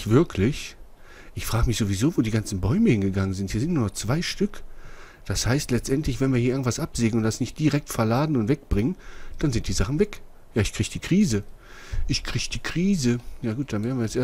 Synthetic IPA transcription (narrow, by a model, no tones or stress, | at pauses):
v̥ɪɐkʰlɪç | ʔɪçfʁ̥aːɡəmɪçz̥oviz̥oːvoːdiːɡant͡sn̩bɔʏməhɪnɡəɡaŋənzɪnthiːɐzɪntnuːɐnɔχt͡sv̥aɪʃtʏk | d̥ashaɪstlɛt͡stʔɛntlɪçv̥ɛnviɐiɐɪɐɡŋ̩ntv̥asʔapz̥eːɡŋ̩ʊntd̥asnɪçt̚d̥iʁɛk̚tfɛɐlaːdn̩ʊntv̥ɛk̚b̥ʁɪŋənd̥anzɪnt̚d̥iːzaχn̩vɛk | jaːɪçkʁ̥iːçd̥iːkʁ̥iːzəʔɪçkʁ̥iːçd̥iːkʁ̥iːzəjaːɡuːt̚d̥anveːʁdn̩viɐjɛt͡sʔeː